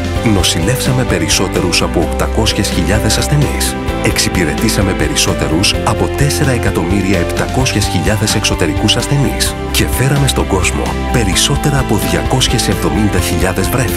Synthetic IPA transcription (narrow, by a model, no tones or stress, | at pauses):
no̞sile̞fsɐme̞pe̞ɾiso̞t̪e̞ɾusɐpoːkt̪ɐko̞sçe̞sçiʎɐðe̞sɐsθe̞nis | e̞ksipiɾe̞t̪isɐme̞pe̞ɾiso̞t̪e̞ɾusɐpo̞t̪e̞se̞ɾɐekɐt̪o̞miɾiɐept̪ɐko̞sçe̞sçiʎɐðe̞se̞kso̞t̪e̞ɾikusɐsθe̞nis | ce̞fe̞ɾɐme̞st̪o̞ɡo̞zmo̞̰ | pe̞ɾiso̞t̪e̞ɾɐːpo̞ðʝɐko̞sçe̞se̞vðo̞mind̪ɐçiʎɐðe̞zvɾef